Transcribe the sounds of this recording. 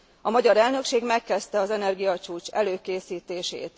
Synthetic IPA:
ɒmɒɟɒɾɛlnø̞kʃeːɡmɛkːɛst̪ɛɒzɛnɛrɡijɒt͡ʃuːt͡ʃɛ̰løːkeːsiːt̪eːʃḛːt̪

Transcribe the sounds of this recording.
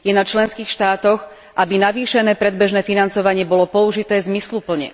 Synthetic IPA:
jɛnat͡ʃlɛnskiːxʃt̪aːt̪ɔɣ | ʔabinaʋiːʃɛnɛːpɾɛd̪bɛʒnɛːfinant͡sɔʋaɲɪɛbɔlɔpɔuʒit̪ɛːzmislupl̩ɲɛ̰

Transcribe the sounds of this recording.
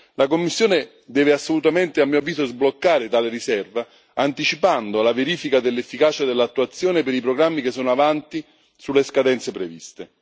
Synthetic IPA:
lakomːisːjoːnɪ | d̪ɛːveasːolut̪ament̪ɪamːiːoavːiːzozblokːaːɾɪt̪aːlɪɾisɛrva | ant̪it͡ʃipand̪olaveɾiːfikad̪elːefːikaːt͡ʃad̪elːat̪ːuat̪sːjoːnepeɾipɾoɡɾamːik̟esːɔːnoavant̪i | sulːeskad̪ɛnt̪sepɾevḭst̪e

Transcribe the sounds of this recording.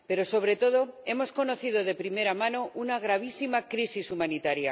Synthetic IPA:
pe̞ɾo̞so̞β̞ɾe̞t̪o̞ð̞o̞e̞mo̞sko̞no̞θiðo̞ð̞e̞pɾime̞ɾamãno̞ʔunaɣ̞ɾaβ̞isimakɾisisumanit̪aɾja

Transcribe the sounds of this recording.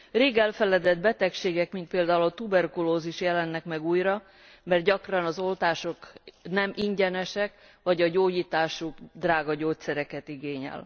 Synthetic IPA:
reːɡɛlfɛlɛd̪ɛd̪bɛt̪ɛkʃeːɡɛkmint̪̚peːld̪aːulɒt̪ubɛrkuloːziʃjɛlɛnːɛkmɛɡuːjrɒ | mɛrt̪̚ɟɒkrɒnɒzo̞lt̪aːʃo̞knɛmʔiɲɟɛnɛʃɛk | ʋɒɟɒɟoːɟiːt̪aːʃuɡd̪raːɡɒɟoːt̪sɛɾɛkɛt̪iɡeːɲɛ̰l

